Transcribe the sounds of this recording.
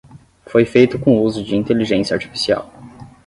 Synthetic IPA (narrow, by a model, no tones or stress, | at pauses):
fojfejt̪ʊkõuzʊd͡ʒɪĩnt̪eliʒẽsjɐaɾt͡ʃi̥fi̥sia̰w